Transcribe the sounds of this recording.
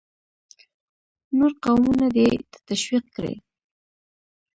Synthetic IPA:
noɾqawmunad̪et̪ə̥t̪aʃwiq̚kɾḛ

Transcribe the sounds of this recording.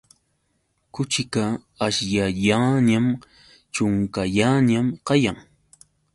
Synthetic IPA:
kʊt͡ʃɪkaː | ʃjaʎaɲam | t͡ʃʊŋkaʎaɲamqɑjaŋ

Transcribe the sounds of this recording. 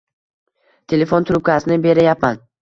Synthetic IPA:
t̪ʰe̞le̞font̪ʰʊɾʊp̚kʲʰasɪnɪbe̞ɾajapman

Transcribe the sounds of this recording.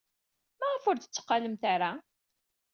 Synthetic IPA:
mæʁəfʊɾd̪ə̥t͡sːə̥qːɑləmθaɾa

